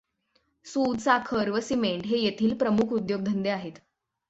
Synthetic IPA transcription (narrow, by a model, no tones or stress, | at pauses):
suːd̪sakʰəɾʋəsimeɳʈɦejet̪ʰiːlpɾəmukʰud̪joɡ̚d̪ʱənd̪eaɦet̪